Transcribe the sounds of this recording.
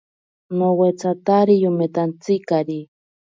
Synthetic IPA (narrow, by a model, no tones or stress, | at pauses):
nowet͡sat̪aɾijumet̪ant͡sikaɾi